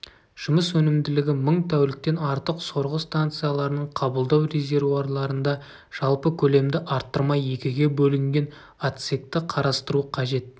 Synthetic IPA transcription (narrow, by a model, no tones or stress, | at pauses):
ʒ̥ʊməswɵnɪmd̪ɪlɪɡʲɪməɴt̪ʰæwlɪk̚t̪e̞nɑɾt̪əqso̞ɾʁəst̪ant̪sɨjalˠɑɾənəɴqʰɑbəlˠd̪ɑwɾe̞zʲe̞ɾvuarlˠɑɾənd̪ɑ | ʒ̥ɑlˠpəkʲʰɵle̞md̪ɪʔɑɾt̪ːəɾmɑje̞kʲɪɡʲe̞bɵlɪŋɡʲe̞n | at̪sek̚t̪ɪqʰɑɾɑst̪əɾuqʰɑʒe̞t̪̚